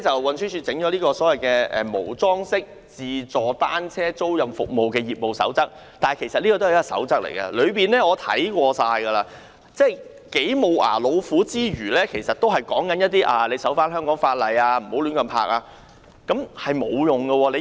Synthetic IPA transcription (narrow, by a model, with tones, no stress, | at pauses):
t͡sɐ˨wwɐ˨nsʰyː˥sʰyː˧t͡sɪ˨˥ŋt͡ʃɔ˨˧˥liː˥kɔː˧sɔː˨˥wɐ˨jkɛː˧ɛ̰ː˨˩mo˨˩wt͡sɔː˥ŋsɪ˥k̚ | t͡siː˨˧t͡sɔː˨˩t̪aː˥nt͡sʰɛː˥t͡so˥wjɐ˨mfʊ̰˨k̚mo˨wkɛː˧jiː˨p̚mo˨˩wsɐ̰˨˥wt͡sɐ˥k̚ | t̪aː˨kʰe˨˩sɐ˨t̚liː˥kɔ˧t̪o˥˨˩jsɐ̰˨˥wt͡sɐ˥k̚lḛ˨˩jɡɐ̰˧lɵ˨˧ɥpiː˨nɛː˥ŋɔː˨˧t̪ʰɐ̰˨˥jkʷɔː˧saː˧jɡɐ˧laː˧ | t͡sɛː˥˩j | ke˨˥jmo˨˧wʔa̰ː˨˩lo˨˧wfuː˨˥t͡siː˥ɥyː˨˩lɛː˥kʰe˨˩jsɐ˨t̚t̪o˥wɦɐ˨˩jkɔ̰ː˨˥ŋkɐ˨˦njɐ˥t̪̬̚ːiː˥ʔaː˨le˨˧jsɐ˨˥wfaː˥nhɦœː˥ŋkɔː˨˥ŋfaː˧t̚lɐ˨˧jaː˧m̩˨˩ho˨˥wly˨˧˥ŋkɐ˨npʰa̰ː˧˥k̚aː˧ | kɐ˨˥mhɐ˨jmo˨˧wjʊ˨˩ŋɡɐ˧wɔː˧le˨˧